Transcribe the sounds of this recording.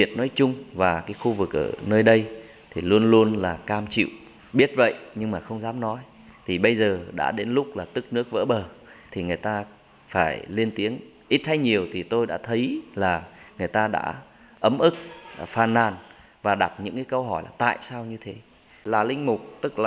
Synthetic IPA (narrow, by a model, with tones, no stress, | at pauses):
i˨˩ət̚nɔ˨˦jt͡ɕʊ˧ŋ͡mvaː˨˩kaː˨˦jxu˧vɨ˨˩k̚ʔə̰ː˧˩nəː˧jɗə˧j | t̪ʰi˨˩lu˧ənlu˧ənlaː˨˩kaː˧mt͡ɕḭ˧˨w | ɓi˦˥ət̚və̰˧˨jʔɲɨ˧ŋmaː˨˩xə˧wŋ͡mzaː˨˦mnɔ˨˦j | t̪ʰi˨˩ɓə˧jzəː˨˩ɗa̰ː˧˥ɗe˨˦nlʊ˦˥k͡p̚laː˨˩t̪ɨ˦˥k̚nɨ˦˥ək̚və̰˧˥ɓəː˨˩t̪ʰi˨˩ŋɨ˨˩əjt̪aː˧ | faː˧˩jli˧ənt̪i˨˦əŋ | ʔi˦˥t̚ha˧˦jɲi˨˩əwt̪ʰi˨˩t̪o˧jɗa̰ː˧˥t̪ʰə˨˦jlaː˨˩ŋɨ˨˩əjt̪aː˧ɗa̰ː˧˥ | ʔə˨˦mʔɨ˦˥k̚faː˨˩nːaː˨˩n | vaː˨˩ɗa˨˩t̚ɲɨ̰˧˥ŋkaː˨˦jkə˧wɦɔ˧˩jlʔaː˨˩t̪a̰ː˧˨jsaː˧wɲɨ˧t̪ʰe˨˦ | laː˨˩lï˧ŋ̟mʊ˨˩k͡p̚t̪ɨ˦˥k̚laː˨˩